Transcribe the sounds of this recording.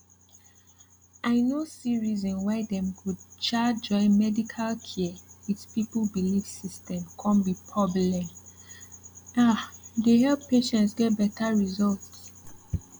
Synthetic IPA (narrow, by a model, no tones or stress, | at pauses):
ʔaɪnosiɹizɔ̃nwaɪdɛ̃mkʰud̚t͡ʃad͡ʒɔ̃ɪ̃nmɛdikʰalkʰiitpipl̩biliv̥sistʰɛ̃mkʰɔ̃nbipʰɹɔblɛ̃m | adehɛlppeʃɛ̃ntsɡɛt̚bɛtʰaɹizɔlts